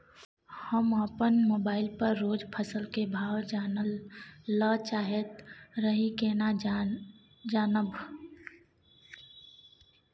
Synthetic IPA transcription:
həmapənmoːbaːɪlpəɾːoːd͡ʒpʰəsəlkebʱaːwd͡ʒaːnəlː | ət͡ʃaːɦet̪ɾəɦikena | d͡ʒaːnəb

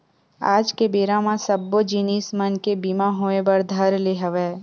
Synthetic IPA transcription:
a̰ːd͡ʒkebeːɾãmãsɐbːod͡ʒiːniːsmənkebiːmaɦoːẽbɐɾd̪ʱɐɾleɦəʋeː

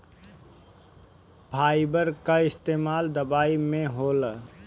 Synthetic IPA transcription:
bʰʱaːibəɾkaɪst̪eːmaːld̪əbaːimẽɦoːl

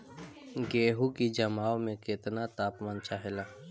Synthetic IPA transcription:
ɡeːɦukid͡ʒɐmaːomẽkɪt̪nat̪aːpmaːnt͡ʃaːɦelaː

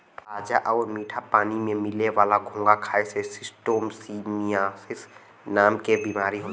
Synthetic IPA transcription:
ɾaːd͡ʒaʔɔːɾmiːʈʰapaːnimẽmɪleʋaːlaɡʱõːŋɡakʰaːesesɪsʈoːmsimiaːsɪs | naːmkebimaːɾiɦo

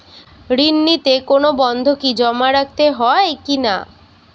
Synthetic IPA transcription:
ɾinːit̪ekonobɔnd̪ʱokid͡ʑɔmaɾak̚t̪eɦɔekina̰

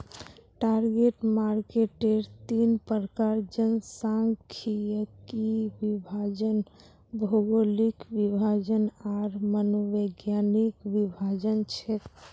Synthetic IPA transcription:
ʈaɾɡeʈmaɾkeʈeɾt̪inpəɾəkaɾd͡ʒənsãŋɡkʰijəkiʋibʱad͡ʒən | bʱoɡolikʋibʱad͡ʒənaɾmənoʋeɡjanikʋibʱad͡ʒənt͡ʃʰe

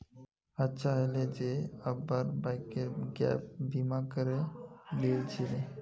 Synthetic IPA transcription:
ətːɕʰaɦjled͡ʑeəbaɾbajkeɡɛ̰p̚bimakəɾedelt͡ɕʰile

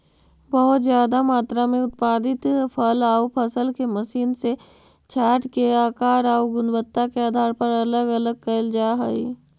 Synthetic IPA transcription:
bəɦʊt̪zjaːd̪amaːt̪ɾamẽʊt̪̚paːd̪ɪt̪pʰəlaːupʰɐsəlkeməʃiːnse | t͡ʃʰaːʈkeaːkaːɾaːuɡʊnbət̪ːakeaːd̪ʱaːɾpɐɾɐləɡɐləɡ̚kɐld͡ʒaːɦəi

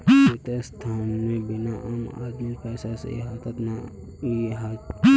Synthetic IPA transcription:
ɪt̪est̪ʰaːnmẽbɪnaʔaːma̰ːd̪mipɛːsasḛɪɦaːt̪ət̪na | iɦa

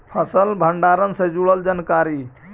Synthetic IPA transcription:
pʰəsəlbʱəɳɖaɾənsed͡ʒuɽəld͡ʒənkaɾi

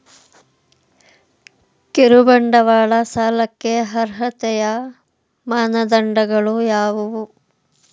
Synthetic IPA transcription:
keɾubɐɳɖɐʋaːɭɐsaːlɐkːeɦɐɾɦɐt̪ɛjɐ | maːnɐd̪ɐɳɖɐɡɐɭujaːʋuʋu

